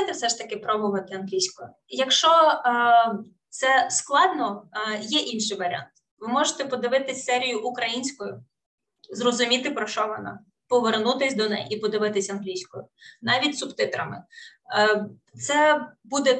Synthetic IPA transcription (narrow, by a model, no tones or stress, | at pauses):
t̪ɾfsɛʃt̪ɐkɪpɾɔbʊʋɐt̪ɪɐnɦlʲijsʲkɔj | jɐkʃt͡ʃɔ | t̪sɛsklˠɑd̪nɔjɛʔinʃɪjʋɐɾ̰ʲɑ̰nt̪ | ʋɪmɔʒet̪ɛpɔd̪ɪʋɪt̪ɪsʲsɛɾʲijʊʔʊkɾɐjinʲsʲkɔjʊ | zrɔzʊmʲit̪ɪpɾɔʃt͡ʃɔʋɔnɑ̰ | pɔʋernut̪ɪsʲd̪ɔnɛ̰jʔipɔd̪ɪʋɪt̪ɪsʲɐnɦlʲijsʲkɔjʊnɑʋʲitʲsʊpt̪ɪt̪ɾɐ̰mɪ̰ | t̪sɛbud̪ɛ